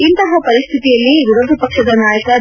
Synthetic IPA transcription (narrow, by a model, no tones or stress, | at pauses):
int̪ɐɦɐpɐɾist̪ʰit̪ijɐlːiɡuɾɐd̪ʱɐpɐkʂɐd̪ɐnaːjɐkɐ